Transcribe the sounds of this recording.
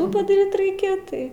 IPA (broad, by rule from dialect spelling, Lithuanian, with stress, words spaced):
ˈtuː pɐdɐˈrʲiːt ˈrɐɪkʲɛ ˈtɐɪ